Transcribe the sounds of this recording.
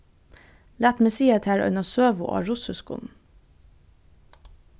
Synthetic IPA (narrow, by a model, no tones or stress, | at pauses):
læːt̪mɛsiːət̪ʰæːɹœ̰ʏnɑsøːʋʊ̰ʔɑ̰ːɹʊsəskʊ̰n